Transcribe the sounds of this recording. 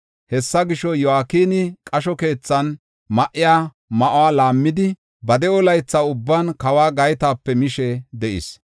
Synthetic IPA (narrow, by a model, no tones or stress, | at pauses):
hɛsːɐɡɪʃɔjɔaːkiːnɪkʼɐʃɔke̞ːt͡sːɐn | mɐʔɪjaː | mɐʔwaːlaːmːɪd̪ɪ | bɐd̪ɛɔlɐjt͡sːaːʊbːankɐwaːɡɐjt̪aːpːɛmɪʃɛd̪ɛʔɪ̰s